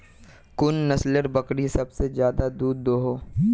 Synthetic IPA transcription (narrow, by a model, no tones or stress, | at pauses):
kʊnːɐsləɾbɐkɽisɐbsezjaːd̪ad̪uːd̪ːoːɦoː